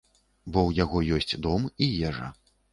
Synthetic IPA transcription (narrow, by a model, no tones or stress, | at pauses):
bɔwjaɣɔjɔsʲt͡sʲd̪ɔmijɛʐɐ̰